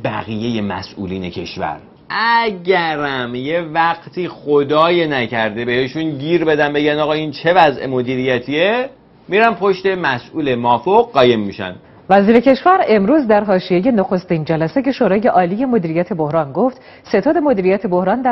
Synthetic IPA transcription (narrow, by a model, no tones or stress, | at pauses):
b̥æ̰ɣije̞je̞mæ̰sʔṵːliːne̞̰cʰe̞̰ʃvæ̰ɾ | ʔæɟæɾæmjevæɡt̪ʰiːχod̪ɒːjenæcʰæɾd̪e̞be̞he̞ʃunɟiːɾbe̞d̪æmbe̞ɟænd̪ɒːɣɒːint͡ʃʰe̞væzʔḛmo̞d̪iːɾijæt̪ʰie | miɾæmpʰo̞ʃt̪e̞mæsʔuːle̞mɒːfoɣɢɒːje̞mːiʃæ̰nd̪̥ | væziːɾe̞cʰe̞ʃvæɾe̞mɾuːzd̪æɾɦɒːʃijeje̞noxo̞st̪iːnd͡ʒælæseje̞ʃoɾɒːje̞ʔɒːlije̞mo̞d̪iːɾijæt̪ʰe̞bo̞hɾɒːnɡo̞ft̪ | se̞t̪ʰɒːd̪emo̞d̪iːɾijæt̪ʰe̞bo̞hɾɒːnd̪æ